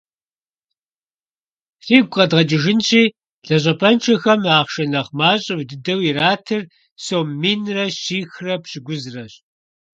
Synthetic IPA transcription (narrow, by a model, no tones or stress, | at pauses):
fiːɡʷʼqɐdʁɐt͡ʃʼɪʒɪnɕiː | ɮɐɕ̬ʼɐpʰɐnt͡ʃʰɐxɐmaːχʃɐnɐχmaːɕʼɪwdɨdɐwiraːtʰɨr | soːmːinrɐɕiːxrɐpɕɪɡʷʊzrɐɕ